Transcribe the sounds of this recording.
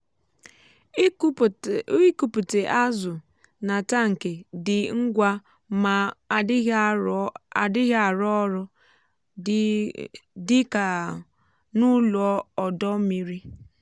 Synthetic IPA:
i˦ku˨pu˨te˨ʔa˦zʊ˨ | na˨ta˦ŋ̩˨ke˨dɪ˨ŋ̩˦ɡʷa˦ | ma˨˦ | a˨dɪ˦ɣa˨ɾɔ˦ɾʊ˦ | dɪ˦ka˨ | nu˦lɔ˦ɔ˨dɔ˦mi˦ɾi˦

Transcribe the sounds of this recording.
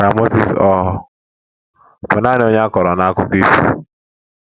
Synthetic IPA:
ka˨mo˦si˨sɔ˦ɦʊ˦ | pʊ˨na˦n˨o˦ɲa˦a˦kɔ˨ɾɔ˨na˦a˦kʊ˦ki˦sṵ˦

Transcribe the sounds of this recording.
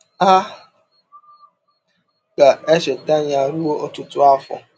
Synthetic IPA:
a˦ | ka˨e˦ʃe˨ta˦ɲ˦a˨ɾu˦o˦o˦tʊ˦tʊ˦a˦fʊ̰˨

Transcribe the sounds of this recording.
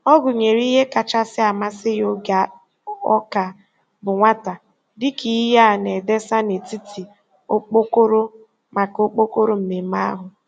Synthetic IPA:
ɔ˦ɡʊ˨ɲe˨ɾi˦ɦe˦ka˨t͡ʃa˦sɪ˦a˨ma˦sɪ˦jo˦ɡa˨ | ɔ˦ka˨ | bʊ˨ŋʷa˦ta˨ | dɪ˦ki˨˦ja˦˨ne˨de˦sa˦ne˨ti˦tʰi˨ | o˦k͡po˦ko˦ɾo˦ | ma˨ko˦k͡po˦ko˦ɾo˦m̩˨me˨ma˦a̰˦ɦʊ˨

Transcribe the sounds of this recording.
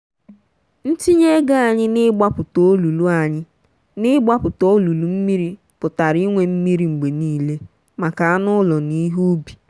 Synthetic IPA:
n̩˦ti˦ɲe˦ɡa˦a˨ɲɪ˦nɪ˦ɡ͡ba˦pʊ˨to˦lu˨lu˦a˨ɲɪ˦ | nɪ˦ɡ͡ba˦pʊ˨to˦lu˨lu˨m̩˦mi˦ɾi˦ | pʊ˨ta˨ɾi˦ŋʷe˨m̩˦mi˦ɾi˨ŋ͡m̩˨ɡ͡be˨niː˦le˦ | ma˨ka˨a˦nʊ˦lɔ˨ni˦ɦu˦bi̥˨

